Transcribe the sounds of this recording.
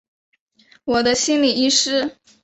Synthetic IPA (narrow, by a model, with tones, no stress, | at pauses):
wɔ˨˩d̪ə˦ɕi˥nli˨˩i˥ʂɻ̩˥